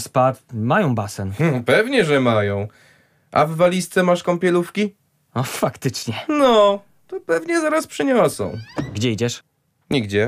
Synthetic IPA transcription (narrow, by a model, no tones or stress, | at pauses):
spat̪majɔ̃w̃basɛnpɛvɲɛʐɛmajɔ̃w̃ | ʔa̰vːalʲist̪sɛmaʂkɔmpʲɛlufkʲi | ɔfakt̪ɘt͡ʂɲɛnɔ | t̪ɔpɛvɲɛzaɾaspʂɘɲɔsɔ̰̃w̃ɡd͡ʑɛid͡ʑɛʂ | ɲiɡd͡ʑɛ